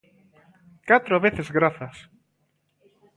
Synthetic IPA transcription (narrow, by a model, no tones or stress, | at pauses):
kat̪ɾoβeθezɣɾaθɐs